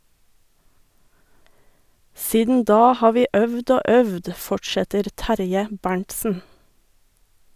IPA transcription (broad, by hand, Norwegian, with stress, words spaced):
ˈsiːdn ˈdɑː ˈhɑː ˈʋiː ˈʔœʋd ˈoː ˈœʋd ˈfɔʈʃɛtəɾ ˈtæɾjə ˈbæɳʈsn̩